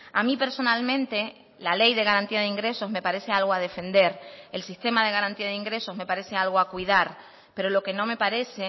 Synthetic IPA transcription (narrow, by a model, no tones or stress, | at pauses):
amĩpe̞ɾso̞nalmẽnt̪e | lale̞jðe̞ɣaɾant̪iaðeiŋɡɾe̞so̞zme̞paɾe̞sealɣoaðe̞fẽ̞nd̪e̞ɾe̞lsist̪e̞mað̞e̞ɣ̞aɾant̪iaðiŋɡɾe̞so̞zme̞paɾe̞se̞alɣoakwiðaɾ | pe̞ɾo̞lo̞ke̞nõ̞me̞paɾe̞se